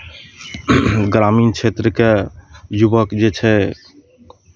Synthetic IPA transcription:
ɡɾamint͡ʃʰet̪ɾəkejubəkd͡ʒet͡ʃʰɛ

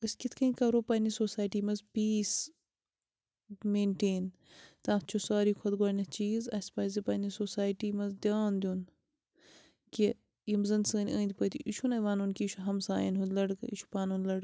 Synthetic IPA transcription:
ɨsʲkʲit̪ʰkʰɐikɐɾoːpɐːnisoːsaːjʈiːmɐzpiːs | meːɳʈeːn | t̪ãːt̪t͡ʃʰusaːɾiːkʰɐd̪ɡaːnʲɐt͡ʃiːzɐsʲpɐːzipɐːnisoːsaːjʈiːmɐzd̪ʲaːnd̪ʲun | ki | imzɐnsəːnʲə̃ːnd̪ipɐt̪ʰiʔiʃʰunɐjʋaːnunkiːʃʰuɦɐmsa̰ːjɐnɦunlɐɽkiʃʰu̥paːnunlɐɽ

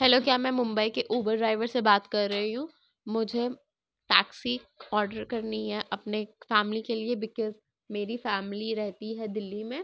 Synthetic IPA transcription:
ɦɛloːkjaːmɛ̃ːmʊ̃mbəikeʔuːbəɾɖɾaːɪʋəɾsebaːt̪kɐɾːɐɦiɦũ | mʊd͡ʒʱe | ʈaːksiɔːɾɖəɾkɐɾniɦɛʔɐpnefɛːmlikeliebɪkɔz | meːɾifɛːmliɾɛɦt̪iɦɛd̪ɪlːimẽː

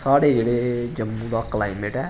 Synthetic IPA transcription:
saːɽeːd͡ʒeːɽeːd͡ʒəmːũːd̪aːklaːimeʈɛː

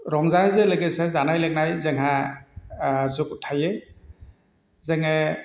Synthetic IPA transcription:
ɾɔmzanazelɯɡesezanajlek̚najzeŋɦa | zukutʰaje | zeŋe

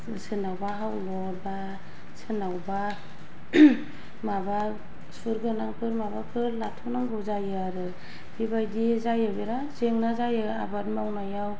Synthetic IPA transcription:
sɯnawbaɦawlɔɾba | sɯnawba | maba | suɾɡɯnaŋpʰɯɾmabapʰɯɾlatʰɔnaŋbɯwzajaɾɯ | bibajdizajɯbiɾa | zeŋnazajɯ | a̰baɾmawnajaw

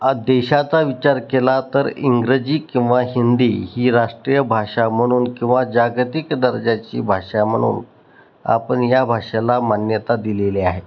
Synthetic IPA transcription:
ad̪eɕat͡saʋit͡ɕaɾkelat̪əɾḭŋɡɾəd͡ʑiːkĩw̃ʋaɦind̪iːhiːɾaʂʈɾijəbʱaʂam̤əɽ̃uːnkĩw̃ʋad͡ʑaɡt̪ikd̪əɾd͡ʑat͡ɕḭːbʱaʂam̤əɽ̃ṵːn | a̰pəɳjabʱaʂalamanjət̪ad̪ileliaɦe

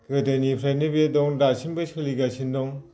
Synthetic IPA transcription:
ɡɯdanipʰɾajnɯbedɔŋdasʰinbɯsʰɯliɡasʰindɔŋ

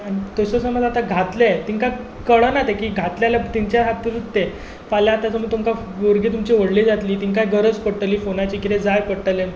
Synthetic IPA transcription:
añit̪əsəsəməd͡zat̪aɡʱat̪let̪iŋka | kəɭənat̪ekiːɡʱat̪ljaljat̪iɲt͡ɕjaɦat̪ːiːlut̪ːe | faljat̪jat͡səməɡ̚t̪umka | ʋoɾɡiːt̪̬umt͡ɕiʋəɽled͡zat̪liːt̪iŋkajɡʱəɾəd͡zpəɽʈəliːfonajt͡ɕikit̪ed͡zajpəɽʈəlen

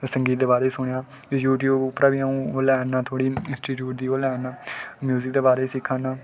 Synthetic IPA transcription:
səŋɡiːt̪̚d̪eːbaːɾeːsʊɳ̃jaː | juːʈjuːbʊpːɾaːʋiːaũːoːlɛːnaːt̪ʰoːɽiːɪ̃nsʈiːʈjuːʈ̚d̪iːoːlɛːnaːmjuːzɪk̚d̪eːbaːɾeːsɪkʰːãːnaː

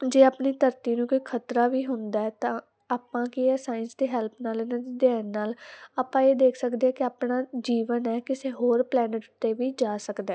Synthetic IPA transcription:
d͡ʒeːaːpniːt̪əɾt̪iːnũːkoiːkʰət̪ɾaːʋiːɦʊnd̪aːɛːt̪ãː | aːpːãːkiɛːsaːɪnsd̪eːɦɛːlpʰnaːleːnad̪eːd̪ɪaːnːaːlaːpãːeːd̪eːkʰsəkd̪eːɛːkɪaːpɳaːd͡ʒiːʋənɛːkɪseːɦoːɾplɛːnəʈʊt̪ːeːʋiːd͡ʒaːsəkd̪ɛː

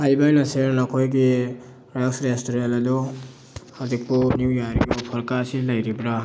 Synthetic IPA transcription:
hajbajnaseɾnakʰojɡi | ɾasɾestoɾenladɔ | hazik̚pɔnuwjaɾijɔpʰɔɾkasilajɾibɾa

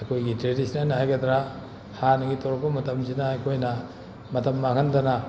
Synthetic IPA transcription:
ɐjkʰojɡitɾedisʰnɐɾnɐhajɡɐd̪ɾa | hanɐɡitʰowɾɐp̚pːɐmɐtɐmsinɐːjkʰojnɐ | mɐtɐmːakʰɐndɐnɐ

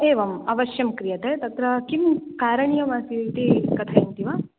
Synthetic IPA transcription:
eːʋɐmɐʋɐʃjɐmkɾijɐt̪et̪ɐt̪ɾɐkimkaːɾɐɳijɐmaːsiʋit̪ikɐt̪ʰɐint̪iʋaː

